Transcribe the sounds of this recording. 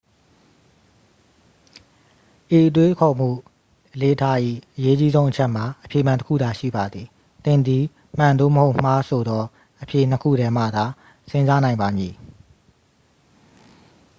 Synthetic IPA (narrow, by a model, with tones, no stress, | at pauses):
ʔe˨ʔət̬we˦kʰɔ˨m̥ṵ˦˨ | ʔəle˦ʔətʰa˦ʔḭ˦˨ʔəje˦t͡ɕi˦zõ˦ʊ̃ʔət͡ɕʰɛ˦ʔm̥a˨ʔəpʰje˨mã˨ntə˦kʰṵ˦˨d̪a˨ʃḭ˦˨ba˨d̪ði˨ | t̪ɪ̃˨nd̪i˨ | m̥ã˨nd̪o̰˦˨məho˦ʊʔm̥a˦sʰo˨d̪ɔ˦ | ʔəpʰje˨n̥əkʰṵ˦˨ɾɛ˦m̥a̰˦˨d̪a˨ | sɪ̃˦nza˦nã˨ɪ̃mba˨mji˨